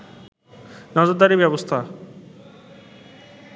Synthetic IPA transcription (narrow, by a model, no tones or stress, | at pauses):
nɔd͡ʑoɾd̪aɾibɛbost̪ʰa